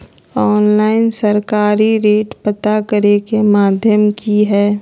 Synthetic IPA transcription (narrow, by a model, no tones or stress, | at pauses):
ɔːnlaːɪnsəɾkaːɾiɾeːʈpət̪akəɾekemaːd̪ʱjəmkiɦɛː